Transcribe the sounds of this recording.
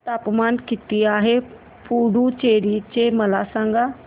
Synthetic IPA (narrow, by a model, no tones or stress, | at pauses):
t̪aːpmaːnkɪt̪iaːɦe | pʰuːɖũt͡ɕeːɾit͡ɕemɐlasãːŋɡa